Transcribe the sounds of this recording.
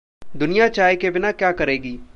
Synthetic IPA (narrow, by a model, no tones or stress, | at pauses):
d̪ʊnɪjat͡ʃaːekebɪnakjaːkəɾeːɡiː